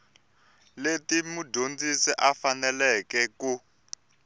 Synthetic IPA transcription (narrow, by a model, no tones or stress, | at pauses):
letimudʱond͡zisɛʔafanɛlɛkɛku